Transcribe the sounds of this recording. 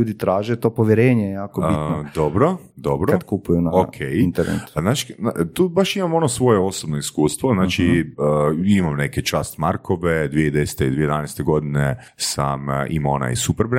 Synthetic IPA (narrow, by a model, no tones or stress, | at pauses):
uːd̪it̪ɾaːʒet̪oːpoʋjeɾeːɲejjaːkobitnod̪obɾo | d̪o̞bɾoad̪kupujunaokʰejnt̪eɾnḛt̪znaːt͡ʃi̥at̪uːbaʃimamo̞nosʋo̞jeo̞sobnoiskuːst̪ʋoznaːt͡ʃi | imamneket͡ʃaːst̪maɾko̞ʋe̞d̪ʋied̪ese̥t̪eḭd̪ʋijed̪ʋanest̪e̞ɡo̞d̪ine | samʔḭmona̰jsupeɾbɾ